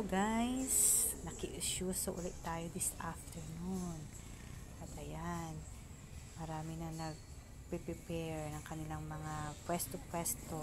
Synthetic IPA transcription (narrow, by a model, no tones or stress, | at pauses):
oɡajs | nɐkɪʔɪʃuːsoʔʊlɪʔt̪aːjod̪ɪsaft̪ɛɹnun | ʔɐt̪ɐjan | mɐɾaːmɪnɐnɐɡ̚ | pɛpɪpɛɹnɐŋkɐnɪlaŋmɐŋapwɛst̪opwɛst̪o